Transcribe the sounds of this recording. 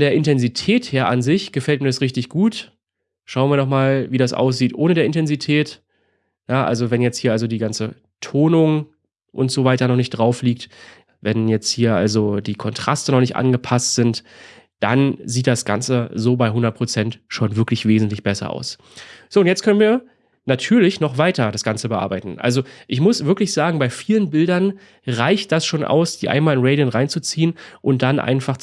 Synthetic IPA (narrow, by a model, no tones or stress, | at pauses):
fɔdeːɐɪntɛnzitʰɛːtheːɐʔanzɪçɡ̥əfɛltmiːɐɾasʁɪçtɪçɡ̥uːt | ʃaʊənviːɐnɔχmaːlviːdasʔa̰ʊs̬z̥iːtʔoːnədeːɐʔɪntʰɛnzitʰɛːt | jaʔa̰lzovɛnjɛt͡sthiːɐalzodiːɡant͡sə | tʰoːnʊŋ | ʔʊ̰ntz̥ovaɪtɐnɔχnɪçt̚d̥ʁaʊfliːkt | vɛnjɛt͡sthiːɐʔa̰lzodiːkʰɔntʁ̥a̰stənɔχnɪçtʔa̰nɡəpʰastz̥ɪnt | d̥anziːt̚d̥asɡ̥a̰nt͡səzoːbaɪɦʊndɐt̚pʁ̥ot͡sɛntʃoːnvɪɐklɪçv̥eːzn̩tlɪçb̥ɛsɐ̰ʔa̰ʊs | z̥oːʊntjɛt͡stkʰœnənviːɐ | natʰyːɐlɪçnɔχvaɪtɐdasɡ̥ant͡səbəʔa̰ɐbaɪtn̩ʔa̰lzoʔɪçmʊsv̥ɪɐklɪçz̥aːɡŋ̩baɪfiːlənbɪldɐn | ʁaɪçt̚d̥asʃoːnʔa̰ʊsd̥iːʔa̰ɪnmaːlɪnʁɛɪdənʁaɪnt͡sut͡siːənʔʊnt̚d̥anʔa̰ɪnfaχ